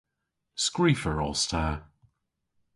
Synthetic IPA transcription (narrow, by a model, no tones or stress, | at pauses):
skɹiːfəɹɔstʰaː